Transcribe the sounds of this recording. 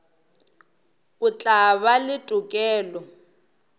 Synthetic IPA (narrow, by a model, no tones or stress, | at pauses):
ʊt͡ɬʼaβalɪtʼukʼɛːlɔ